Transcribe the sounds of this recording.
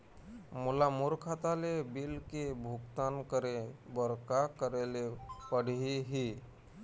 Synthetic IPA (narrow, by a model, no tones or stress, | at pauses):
mulamuɾkʰat̪alebilkebʱukt̪ankəɾebəɾkakəɾelepəɽ̤iɦi